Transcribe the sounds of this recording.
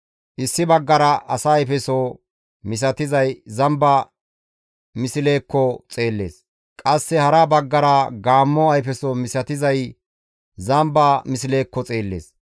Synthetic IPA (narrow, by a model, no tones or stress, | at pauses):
ʔɪsːɪbɐɡːɐɾɐʔɐsɐːjfɛsɔ | mɪs̬ɐt̪ɪzɐjzɐmbɐ | mɪsɪle̞ːkːɔt͡sʼe̞ːlːe̞̰ːs | kʼɐsːɛhɐɾɐbɐɡːɐɾɐɡaːmːɔɐjfɛsɔmɪsɐt̪ɪzɐj | zɐmbɐmɪsɪle̞ːkːɔt͡sʼe̞ːlːḛːs